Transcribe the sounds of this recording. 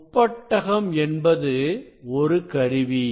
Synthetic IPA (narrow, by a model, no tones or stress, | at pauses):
ʊpːɐʈːɐɣɐmɛnbɐðɯɔɾɯkɐɾɯʋi